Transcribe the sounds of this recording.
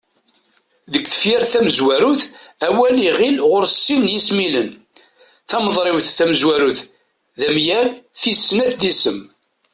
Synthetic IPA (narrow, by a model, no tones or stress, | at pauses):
ðəɡθə̥fjɪɾθæməzwæɾuθæwæliʁɪlʁʊɾsːinjismilən | θæməðˤɾˤɪwθːæməzwæɾuθ | ðæmjælθisːnæθd̪isəm